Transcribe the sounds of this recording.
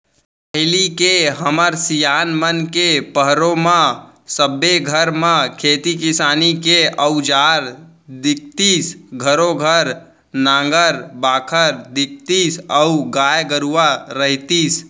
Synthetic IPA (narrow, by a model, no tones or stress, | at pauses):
pəɦɪlikeɦəməɾsijaːnmənkepəɦɾõmã | səbeɡʱəɾmãkʰeːt̪ikɪsaːnikeʔəʊd͡ʒaːɾ | d̪ɪk̚t̪iːsɡʱəɾoɡʱəɾ | nãːŋɡəɾbaːkʰəɾd̪ɪk̚t̪iːsəuɡaːjɡəɾuwaɾəɦit̪is